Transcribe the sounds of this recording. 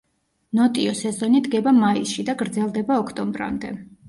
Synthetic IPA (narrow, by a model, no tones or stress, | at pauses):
nɔt̪ʼiɔsɛzɔnid̪ɡɛbamaisʃid̪aɡɾd̪zɛlˠd̪ɛbaɔkʰt̪ʼɔmbɾa̰md̪ɛ